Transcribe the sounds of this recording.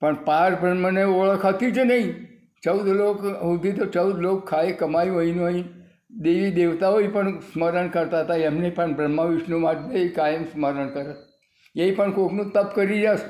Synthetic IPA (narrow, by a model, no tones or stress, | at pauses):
pəɳpaɾbɾəməneoɭəkʰat̪id͡ʒʰenəɦĩ | t͡ʃəwd̪lokɦud̪ʱit̪ot͡ʃəwd̪lokʰːaekəmajũəinũəĩ | d̪eʋid̪eʋt̪aɦoipəɳsməɾəɳkəɾt̪aɦət̪aɛmnepəɳbɾəmːəʋiʃnumaʈʋeikajəmsməɾəɳkəɾət̪ | eipəɳkoknũt̪əpkəɾiɾas